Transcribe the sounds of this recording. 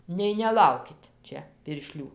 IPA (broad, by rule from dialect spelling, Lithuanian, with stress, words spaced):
nʲɛɪ nʲɛˈlˠɐʊkʲɪt ˈt͡ʃʲɛ pʲɪrʲˈʃʲlʲuː